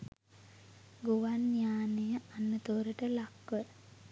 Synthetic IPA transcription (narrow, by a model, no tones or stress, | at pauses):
ɡuʋanjaːnejəanːət̪oːɾəʈəlakʋəɾ